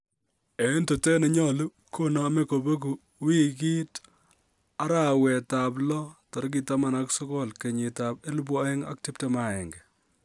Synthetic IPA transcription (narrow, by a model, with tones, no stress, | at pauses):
e˨˦nto˨te˦ne˨ɲɔ˦lu˦ | kʰo˦nɔ˦me˦ko˨bo˦k̬u˨ | wi˦ki˦t | a˦ɾa˦wɛ˨ta˨blɔ˦tɔ˨ɾk̬i˨ta˦ma˦na˦ksɔ˦kɔ˦lke˨ɲɪ˨ta˨p̚e˦lu˦b̬wa˦ɛ˦ŋa̰˦k̚ti˦p̚te˦ma˨ɛ˨ŋɡe˨